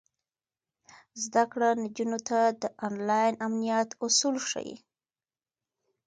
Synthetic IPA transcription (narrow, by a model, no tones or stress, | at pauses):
zd̪akɽanad͡ʒunot̪ad̪əʔɑnlɑjnamnijat̪ʊsulʂa̰jḭ